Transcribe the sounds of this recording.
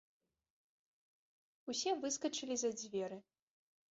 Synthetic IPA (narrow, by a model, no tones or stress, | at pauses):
usʲɛvɨskɐt͡ʂɨlʲizɐd͡zʲvʲɛɾɨ